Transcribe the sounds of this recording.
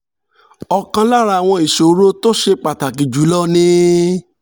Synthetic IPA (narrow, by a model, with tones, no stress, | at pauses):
ɔ˨kã˧la˦˨ɾa˧a˨w̃ɔ̃˧i˨ʃo˨˦ɾo˦to˦ʃe˧k͡pa˨ta˨ki˨d͡ʒu˨˦lɔ˦nĩ˦